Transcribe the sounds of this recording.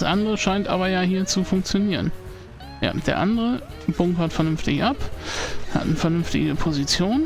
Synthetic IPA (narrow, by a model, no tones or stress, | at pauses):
sʔandəʁəʃaɪntʔa̰ːbɐjaːɦiːɐt͡sufʊŋk̚t͡sjoniːʁən | ja̰ːd̥eːɐʔandəʁə | b̥ʊŋkɐtfɛɐnʏnftɪçʔapha̰tnəfɛɐnʏnftɪ̰ɡəpʰozit͡sjoːn